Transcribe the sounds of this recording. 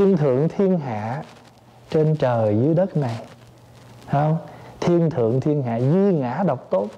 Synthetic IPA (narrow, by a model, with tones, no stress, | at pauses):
i˧ənt̪ʰɨ̰˧˨əŋt̪ʰi˧ənɦa̰ː˧˨ | t͡ɕe˧nt͡ɕəː˨˩jzɨ˨˦əjɗə˦˥t̚na˨˩j | hə˧wŋ͡mt̪ʰi˧ənt̪ʰɨ̰˧˨əŋt̪ʰi˧ənɦa̰ː˧˨zi˧ŋaː˧˥ɗa˨˩wk͡p̚t̪o˦˥t̚